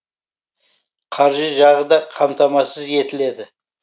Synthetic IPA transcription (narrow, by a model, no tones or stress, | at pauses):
qʰɑɾʒəʒɑʁəd̪ɑqʰɑmt̪ɑmɑsəze̞t̪ɪle̞d̪ɪ